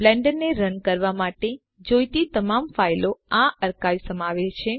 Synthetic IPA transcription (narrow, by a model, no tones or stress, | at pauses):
blɛɳɖəɾneɾənkəɾʋamaʈe | d͡ʒojt̪it̪əmamfajloaʔəɾkajsəmaʋet͡ʃʰe